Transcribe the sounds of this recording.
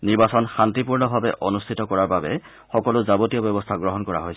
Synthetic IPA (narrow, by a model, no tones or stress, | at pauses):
niɹbasɔnxantipuɹnɔbʱabɛ̰ʔɔnustʰitɔkɔɹaɹbabɛ̰ | xɔkɔlʊzabotijɔbɛbɔstʰaɡɹɔɦɔnkɔɹa̰ɦojs